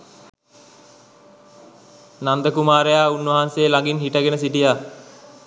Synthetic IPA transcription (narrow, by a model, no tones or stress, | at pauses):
nand̪əkumaːɾejaːunʋɐɦanseːlaŋɡinɦiʈəɡenəs̬iʈija